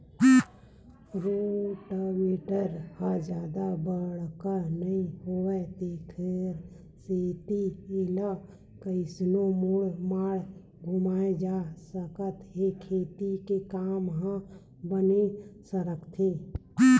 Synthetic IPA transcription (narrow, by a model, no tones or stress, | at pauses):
ɾoʈəmeːʈəɾhə̃d͡ʒjaːd̪abəɽkənəĩɦoɛt̪ekʰɪɾ | set̪iela | kəɪsnomuɽmaːɽ | ɡʱumaːed͡ʒaːsəkət̪ɦekʰeːt̪ikekaːmɦə̃ | bənesəɾəkʰt̪ʰe